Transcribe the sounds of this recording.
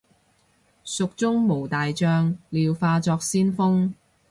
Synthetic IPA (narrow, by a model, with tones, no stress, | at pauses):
sʊ˨k̚t͡sʊ˥ŋmo˨˩wt̪aː˨jt͡ʃœː˧ŋliː˨wfaː˧t͡sɔː˧k̚siː˥nfʊ˥ŋ